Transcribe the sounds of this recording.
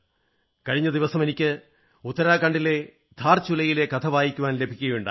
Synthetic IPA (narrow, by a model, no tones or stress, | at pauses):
kɐɻiɲːɐd̪iʋɐsɐme̞nikʲːɨ | ut̪ːɐɾaːkɐɳɖile̞ | d̪̥ʱaːrt͡ɕulɐjile̞kɐt̪ʰɐʋaːjikʲːuʋaːnle̞bʱikʲːuɣɐjuɳɖa̰